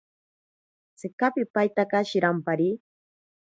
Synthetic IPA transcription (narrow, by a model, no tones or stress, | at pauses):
t͡sɪkapɪpajt̪akaʃɪɾampaɾi